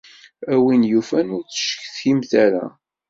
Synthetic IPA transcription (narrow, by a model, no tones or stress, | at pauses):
æwinjufænʊɾt͡sə̥ʃə̥çθçimθæɾæ̰